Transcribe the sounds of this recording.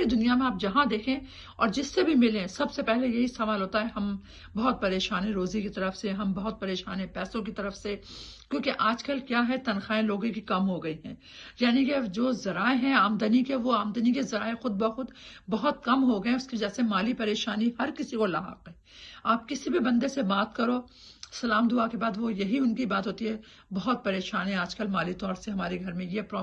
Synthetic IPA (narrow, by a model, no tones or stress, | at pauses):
ɾid̪ʊnijamẽaːp̚d͡ʒɐɦãd̪eːkʰẽ | ɔ̰ːɾd͡ʒɪsːebʱimɪlẽsɐbsepɛɦlejɐɦisɐʋaːlɦoːt̪aɦɛɦɐm | bɐɦʊt̪̚pɐɾeːʃaːnẽɾoːzikit̪ɐɾəfseɦɐmbɐɦʊt̪̚pɐɾeːʃaːnẽpɛːsõk̬it̪ɐɾəfse | kʲjõːkeʔaːd͡ʒkɐlkjaːɦɛt̪ɐnxaːẽloːɡõkikɐmɦoɡɐiɦɛ̰̃ː | jaːniked͡ʒoːzɐɾaːeɦɛ̃aːmd̪ənikeʋoaːmd̪ənikezɐɾaːexʊd̪̚bɐxʊd̪bɐɦʊt̪̚kɐmɦoɡɐẽʊskiɐd͡ʒɛːsemaːlipɐɾeːʃaːnihɐɾkɪsikolɐɦa̰ːqɛ̃ː | aːp̚kɪsibibɐ̃nd̪esebaːt̪̚kɐɾoː | sɐlaːmd̪ʊakebaːd̪ʋojɐɦiʊnkibaːt̪ɦoːt̪iɦɛ | bɐɦʊt̪̚pɐɾeːʃaːnɦɛ̃aːd͡ʒkɐlmaːlit̪ɔːɾseɦɐmaːɾeɡʱɐɾmẽjepɾɔː